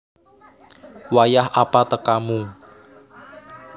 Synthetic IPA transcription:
wajaɦapat̪əkamu

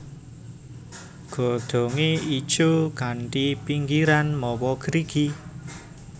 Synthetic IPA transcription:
ɡ̥o̤d̪̥o̤ŋeid̥ʒ̥okanʈipiŋɡiɾanmɔwɔɡ̥əɾiɡ̥i

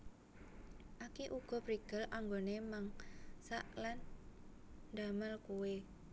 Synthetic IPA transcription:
ʔakiʔuɡ̥ɔ̤pɾiɡ̥əlʔaŋɡonemaŋsaʔlan | d̪aməlkuwe

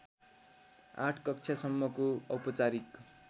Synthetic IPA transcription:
ã̰ʈʰkʌk̚t͡sʰjasʌmːʌkoʌwpʌt͡saɾik

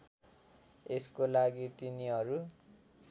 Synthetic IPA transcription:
eskolaɡit̪iniɦʌɾu

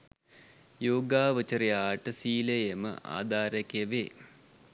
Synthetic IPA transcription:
joːɡaːʋət͡ʃɐɾijaːʈəsiːlejemə̰ʔa̰ːd̪aːɾɐkjɐʋe

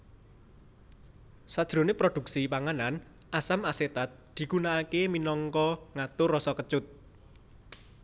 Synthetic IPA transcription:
sad̥ʒ̥ɾo̤nepɾod̥ṳk̚sipaŋanan | ʔasamaset̪at̪̚d̪̥i̤ɡ̥unaːkeminɔŋkɔŋat̪ʊrɔsɔkət͡ʃʊt̪̚

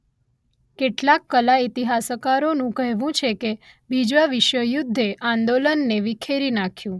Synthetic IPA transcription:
keʈlakːəlait̪iɦasəkaɾonũkəɦʋũt͡ʃʰeke | bʱid͡ʒʋaʋɪʃʋəjʊd̪ʱːeʔãnd̪olənːeʋikʰeɾinakʰjũ

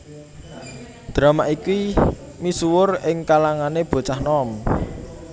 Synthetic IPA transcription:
d̪̥ɾa̤maʔiki | misuwʊrɪŋkalaŋaneb̥o̤t͡ʃahnɔm

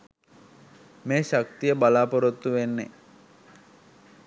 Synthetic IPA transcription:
meːʃak̚t̪ijəbalaːpoɾot̪ːuʋenːḛ

